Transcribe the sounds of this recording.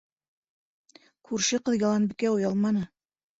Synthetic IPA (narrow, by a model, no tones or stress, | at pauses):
kʉɾʃɘqɤ̆ðjɑlˠɑnbikæujɑlˠmɑnɤ